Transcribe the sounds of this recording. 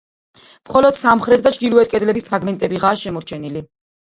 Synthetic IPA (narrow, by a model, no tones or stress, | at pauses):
mχɔlɔd̪̥samχɾɛt̪̚ʰd̪at͡ʃʰd̪iluɛt̪̚ʰkʼɛd̪lɛbispʰɾaɡmɛnt̪ʼɛbiʁaːʃɛmɔɾt͡ʃʰɛnili